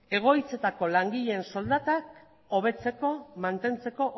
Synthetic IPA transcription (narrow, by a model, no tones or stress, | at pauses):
e̞ɣ̞o̞jt͡se̞t̪ako̞laŋɡiʎe̞nso̞ld̪at̪ak | oβ̞e̞t͡se̞ko̞mant̪e̞nt͡se̞ko̞ʔ